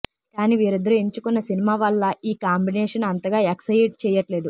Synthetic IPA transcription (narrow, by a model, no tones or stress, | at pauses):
kaːniʋiːɾid̪ɐɾueɲt͡ʃukunːɐsinimaːʋɐlːɐiːkaːmbinɛːʂɐnɐnt̪ɐɡaːeksɐjɖt͡ʃɛːjɐʈleːd̪u